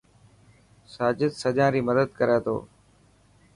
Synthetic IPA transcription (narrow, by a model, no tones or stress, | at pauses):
saːd͡ʒɪd̪səʄãːɾiːməd̪əd̪kəɾeːt̪ʰo̰ː